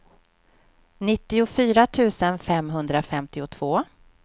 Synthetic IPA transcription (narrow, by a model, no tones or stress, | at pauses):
nɪt̪ːɪʊfyːɾat̪ʰʉ̟ːsənfɛmɦɵnd̪ɾafɛmt̪ɪʊt̪ʰv̥oː